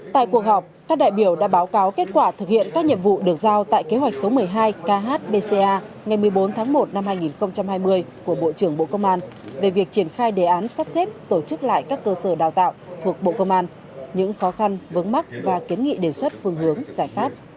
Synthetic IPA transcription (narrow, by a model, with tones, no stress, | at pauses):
t̪a̰ː˧˨jku˨˩ək̚ɦɔ˨˩wk͡p̚kaː˦˥k̚ɗa̰ː˧˨jɓi˧˩əwɗa̰ː˧˥ɓaː˨˦wkaː˨˦wke˦˥t̚kwaː˧˩t̪ʰɨ˨˩k̚hḭ˧˨ənkaː˦˥k̚ɲḭ˧˨əmvṵ˧˨ɗɨ˨˩ək̚zaː˧wt̪a̰ː˧˨jke˨˦ɦwa˨˩jk̚so˨˦mɨ˨˩əjɦaː˧jkaː˧ɦaː˦˥t̚ɓe˧se˧ʔaː˧ | ŋa˨˩jmɨ˨˩əjɓo˨˦nt̪ʰaː˨˦ŋmo˨˩t̚na˧mhaː˧jŋi˨˩nxə˧wŋ͡mt͡ɕa˧mhaː˧jmɨ˧əjku˧˩əɓo̰˧˨t͡ɕɨ˧˩əŋɓo̰˧˨kə˧wŋ͡mʔaː˧n | ve˨˩vi˨˩ək̚t͡ɕi˧˩ənxaː˧jɗe˧˩ʔaː˨˦nsaː˦˥p̚se˦˥p̚t̪o˧˩t͡ɕɨ˦˥k̚la̰ː˧˨jkaː˦˥kːəː˧səː˧˩ɗaː˨˩wt̪a̰ː˧˨wt̪ʰu˨˩ək̚ɓo̰˧˨kə˧wŋ͡mʔaː˧n | ɲɨ̰˧˥ŋxɔ˨˦xa˧nvɨ˨˦nma˦˥k̚vaː˨˩ki˨˦ənŋḭ˧˨ɗe˨˩swə˦˥t̚fɨ˧əŋɦɨ˨˦əŋzaː˧˩jfaː˦˥p̚